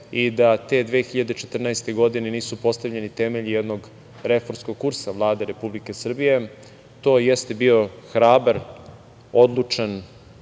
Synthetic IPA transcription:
id̪at̪e̞d̪ʋeːxiʎad̪et͡ʃet̪r̩naest̪e̞ɡo̞d̪ineniːsupo̞st̪avʎe̞nit̪emeʎijed̪noɡ | ɾe̞foɾmsko̞ɡ̚kuɾsavlˠaːd̪eɾe̞publike̞sr̩bije̞ | t̪o̞ːjest̪e̞bio̞xɾaːbaɾ | o̞d̪lˠut͡ʂan

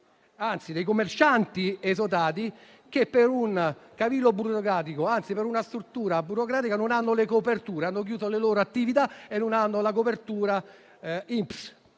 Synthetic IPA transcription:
ant̪sid̪ejkomːert͡ʃant̪iesot̪aːt̪̬i | k̟epːeɾunkavilːobuɾokɾaːt̪̬ikoant̪sipeɾunast̪ɾut̪ːuːɾabuɾokɾaːt̪ikanonanːolekopert̪uːɾeanːok̬juːsoleloːɾoat̪ːivit̪aenːʊnanːolak̬opert̪uːɾa | imps

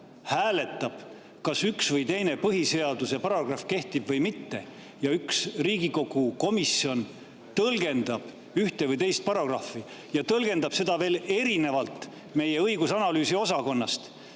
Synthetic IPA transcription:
hæːle̞t̪ːˑɑb̥ | kɑsyksvɤjt̪e̞jne̞pɤɦise̞ɑd̪usepɑɾɑɡ̥rɑfke̞ht̪ib̥vɤjmit̪ːe̞ | jɑyksriːɡ̥iko̞ɡ̥uko̞misio̞n | t̪ɤlɡ̥e̞nd̪̥ɑb̥ | yht̪e̞vɤjt̪e̞jst̪̚pɑɾɑɡ̥rɑfːi | jɑt̪ɤlɡ̥e̞nd̪ɑb̥se̞d̪ɑve̞ːle̞ɾine̞vɑlt̪ˑ | me̞jeɤjɡusɑnɑlyːsio̞sɑko̞nːɑst̪

